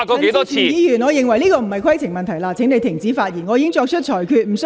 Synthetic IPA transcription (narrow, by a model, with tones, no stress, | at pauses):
kɔ˨˧ke˨˧˥t̪ɔ˥iː˨˧iː˨˧jyː˨˩nŋɔː˨˧jɪ˨ŋwɐ˨˩jliː˥kɔː˧m̩˨˩hɐ˨jkʰɐ˥jtʰɪ˨˩ŋmɐ˨nt̪ʰɐ˨˩jlaː˧t͡sʰɪ˨˥ŋne˨˧t̪ɪ˨˩ŋt͡siː˨˥faː˧t̚ji˨˩nŋɔ˨˧iː˧˥ɪ˥ŋt͡ʃɔː˧k̚t͡ʃʰɵ˥t̚t͡ʃʰɔː˨˩jkʰyː˧t̚m̩˨˩s